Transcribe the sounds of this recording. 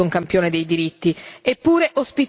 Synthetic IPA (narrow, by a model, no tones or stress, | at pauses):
uŋkampjoːned̪ejd̪iɾit̪ːiepːuːɾeʔospit̪